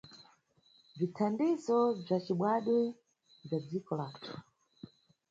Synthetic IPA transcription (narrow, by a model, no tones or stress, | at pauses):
vitʰandizɔb͡ʐat͡ʃiɓwaɗwɛ | b͡ʐad͡zikɔlaːtʰu̥